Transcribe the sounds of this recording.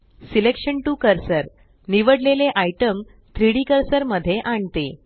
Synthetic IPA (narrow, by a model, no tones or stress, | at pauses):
silekʂəɳʈukəɾsəɾ | niʋəɽleleʔajʈəm | t̪ʰɾiɽikəɾsəɾməd̪ʱːjeʔaɳt̪e